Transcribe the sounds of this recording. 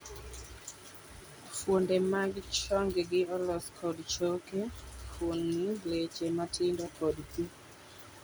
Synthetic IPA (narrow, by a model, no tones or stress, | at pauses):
fwondemaɡɪt͡ʃɔŋɡɡɪɔlɔskʰɔdt͡ʃokefʰonːlet͡ʃematɪndɔkɔdpi